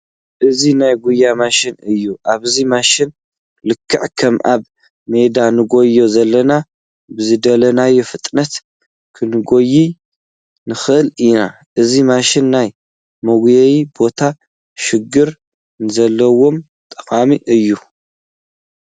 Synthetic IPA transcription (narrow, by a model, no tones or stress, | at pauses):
ʔɨzinajɡujːamaʃɪnɨjːuʔaβzimaʃɪn | lɨkʰːɨʕkʰɐmʔa̰β | me̞d̪anɨɡo̞jːo̞zɐlːɐna | bɨzɨd̪ɐlɐnajːofɨt̪ʼnɐt̪ | kʰɨnɨɡo̞jːi | nɨxɨʔɨlina | ʔɨzimaʃɪnːaj | mɐɡjejibo̞t̪ʰa | ʃɪɡːɨɾ | nɨzɐlːɐwo̞m | t̪ʼɨkʼamiʔɨjːu